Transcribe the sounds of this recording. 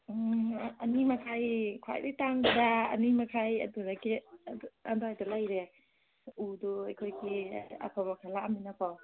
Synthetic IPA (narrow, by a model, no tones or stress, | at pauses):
ɐnimakʰajkʰa̰jditaŋbadaɐ̰nimakʰajɐ̰duɾaɡidandajtalajɾe | uduajkʰojɡia̰kʰaβakʰalaːminapaw